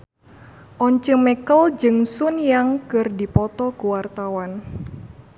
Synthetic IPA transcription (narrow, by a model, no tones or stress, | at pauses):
ʔɔɲt͡ʃəŋmɛkəld͡ʒɨŋsunjaŋkɨrdipɔt̪ɔkuwart̪awan